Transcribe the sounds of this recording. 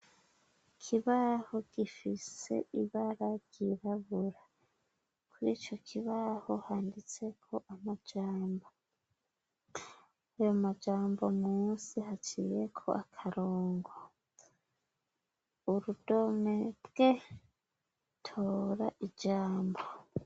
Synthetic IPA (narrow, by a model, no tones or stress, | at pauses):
kʰiβahoɡ̥ifise̞̰iβaɾaɡ̥iɾaβuɾa | kʰuɾiːt͡ʃo̞kʰiβahohaːndit͡se̞kʰo̞ʔamad͡ʒaːmbo | ajomad͡ʒaːmbo̞mŋuːnsihat͡ʃije̞kʰo̞̰ʔakʰaɾoːŋɡo | uɾudo̞meɾɡe̞ | tʰoːɾaʔid͡ʒaːmbo